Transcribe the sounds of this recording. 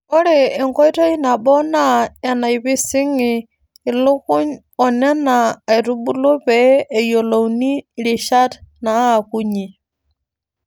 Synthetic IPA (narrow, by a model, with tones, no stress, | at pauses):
ɔ˦ɾeː˨ŋko˦jto˦i˦na˨ɓɔ˦na˦˨a˨na˨i˨pi˦si˦ŋiː˨ | lu˦ku˦ɲ | ɔ˨nɛ˦naː˨i˨tu˦bu˦lu˦peː˨˦˨jo˨lo˨wni˦˨li˨ʃa˦tna˨˦˨ku˦ɲi˨